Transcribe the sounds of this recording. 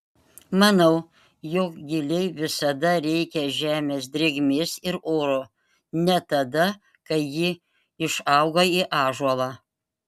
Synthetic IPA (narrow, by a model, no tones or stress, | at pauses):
mɐnɐʊ | joːkɡʲɪlʲɛɪʋʲɪsɐd̪ɐɾʲɛɪkʲɛʒʲæːmʲeːsd̪ʲɾʲɪɡmʲɪsɪɾoːɾo | nʲɛt̪ɐd̪ɐ | kɐɪjɪ | ɪʃɑʊɡoːiʔɑːʒuɔlˠɑː